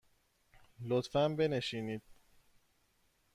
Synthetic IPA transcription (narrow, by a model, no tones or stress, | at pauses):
lot̪fæmbe̞ne̞ʃiːniːd̪̥̚